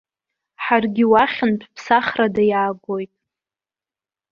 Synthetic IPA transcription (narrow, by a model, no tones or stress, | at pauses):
ħarɡʲɪwaχʲɪnpʰpʰsaχradajaːɡʷojtʼ